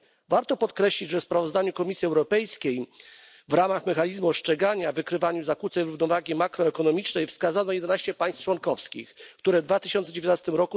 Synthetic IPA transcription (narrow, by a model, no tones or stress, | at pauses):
vaɾt̪ɔpɔt̪kɾɛɕlʲid͡ʑʐɛspɾavɔzd̪aɲukɔmʲisʲjiɛwɾɔpɛjskʲej | vɾamaxmɛxaɲizmuɔʂt͡ʂɛɡaɲavɘkɾɘvaɲuzakut̪sɛjɾuvnɔvaɡʲimakɾɔɛkɔnɔmʲit͡ʂnɛjfskazanɔjɛd̪ɛnaɕt͡ɕɛpaj̃st͡ʂwɔnkɔfskʲḭxkt̪uɾɛvd̪vat̪ɘ̥ɕɔnt̪sɛd͡ʑevʲjt̪nast̪ɘmɾɔku